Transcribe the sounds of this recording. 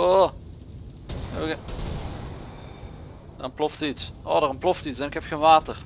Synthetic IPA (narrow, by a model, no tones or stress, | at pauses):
o | ɛ̰b | d̥ənplɔftitsoːdəʁənploftitsɛnɪkhɛpxeːnʋaːtər